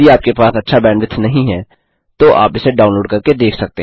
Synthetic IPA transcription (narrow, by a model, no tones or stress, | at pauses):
iaːp̚kepaːsɐtːʃʰabɛːɳʋɪt̪ʰnɐɦĩɦɛː | t̪oʔa̰ːpɪseɖaːʊnloːɖkɐɾked̪eːkʰsɐk̚t̪e